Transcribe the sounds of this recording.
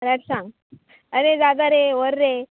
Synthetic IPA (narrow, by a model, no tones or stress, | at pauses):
ɾaʈsãŋɡ | əɾed͡zad̪aɾeʋəɾːe